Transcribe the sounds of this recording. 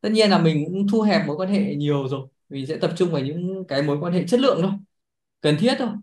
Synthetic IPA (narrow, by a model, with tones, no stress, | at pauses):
t̪ə˦˥t̚ɲi˧ənlaː˨˩mï˨˩ŋ̟kʊ̰˧˥ŋ͡mt̪ʰu˧ɦɛ˨˩p̚mo˨˦jkwaː˧nhḛ˧˨ɲi˨˩əwzo˨˩j | mi˨˩ŋ̟sɛ̰˧˥t̪ə˨˩p̚t͡ɕʊ˧ŋ͡mvaː˨˩ɲɨ̰˧˥ŋkaː˨˦jmo˨˦jkwaː˧nhḛ˧˨t͡ɕə˦˥t̚lɨ̰˧˨əŋɗo˧˦j | kə˨˩nt̪ʰi˦˥ət̚t̪ʰo˧˩j